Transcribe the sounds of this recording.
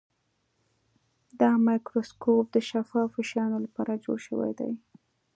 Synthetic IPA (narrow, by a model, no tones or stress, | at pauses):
d̪ɑmɑjkɾoskop̚d̪əʃafɑfɪʃɑnolapɑɾad͡ʒo̰ɽʃə̰wa̰jd̪a̰j